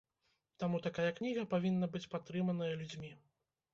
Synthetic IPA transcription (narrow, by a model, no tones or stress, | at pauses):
t̪amut̪akajɐknʲiɣɐpavʲinːɐbɨt͡sʲpat̪ːɾɨmɐnɐjɐlʲud͡zʲmʲi